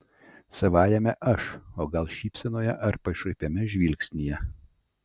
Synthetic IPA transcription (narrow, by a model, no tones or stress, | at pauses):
sɐʋɑːjɛmʲɛʔɐʃoːɡɐlˠʃʲiːpʲsʲɛnoːjɛʔɐɾpɐʃɐɪpʲemʲɛʒʲʋʲilʲksʲnʲijɛ